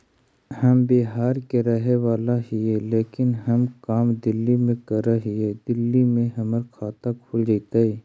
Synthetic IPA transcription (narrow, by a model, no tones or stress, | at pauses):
hɐmbeɦaːɾkeɾɐɦewaːlaɦɪeleːkɪnɦɐmkaːmd̪ɪlːimẽkɐɾaɦɪɛd̪ɪlːimẽɦɐməɾkʰaːt̪akʰʊld͡ʒait̪aiː